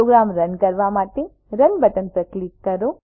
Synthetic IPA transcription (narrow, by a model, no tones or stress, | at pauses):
oɡɾamɾənkəɾʋamaʈ̪e | ɾənbət̪ənpɾəklikːəɾo